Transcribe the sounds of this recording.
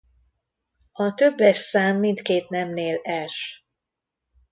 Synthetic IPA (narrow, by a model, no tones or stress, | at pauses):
ɒt̪øbːɛʃsaːmːint̪keːt̪nɛmneːlɛʃ